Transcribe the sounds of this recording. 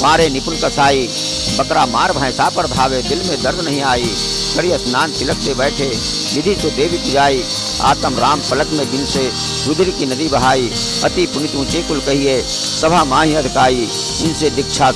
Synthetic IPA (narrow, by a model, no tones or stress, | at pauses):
pãːɾenɪpʊnkɐsaːi | bɐkɾamaːɾbʱãːjsaːpəɽbʱaːʋed̪ɪlmẽd̪ɐɾd̪ʱnɐɦĩaːi | kɐɽijəsnaːnt̪ɪlək̚t̪ebɛːʈʰe | lɪd̪ʱisod̪eːbɪt̪d͡ʒaːi | a̰ːt̪əmɾaːmpɐləkmẽd̪ɪnse | ɾʊd̪ʱɾikinɐd̪ibɐɦaːi | ɐt̪ipʊnɪt̪ũːt͡ʃekʊlkɐɦije | sɐbʱamãːɦĩɐd̪ʱkaːi | ɪnsed̪ɪkt͡ʃʰa